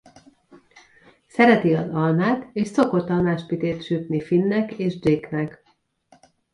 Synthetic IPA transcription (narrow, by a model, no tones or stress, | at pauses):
sɛɾɛt̪iɒzɒlmaːt̪eːʃso̞ko̞t̪ːɒnaːʃpit̪eːt̪ʃyt̪nifinːɛkeːʒdeknɛk